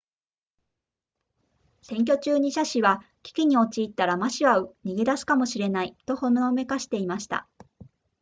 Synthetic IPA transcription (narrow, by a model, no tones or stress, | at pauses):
sẽ̞ŋk̬ʲo̞t͡ɕɨːɲ̟iɕaɕiβakʲi̥kʲiɲ̟io̞t͡ɕiːt̪ːaɾamaɕiβaɯ̟ɲ̟iɡe̞d̪asɨ̥kamo̞ɕiɾe̞nait̪o̞ho̞noome̞kaɕi̥t̪e̞imaɕi̥t̪a̰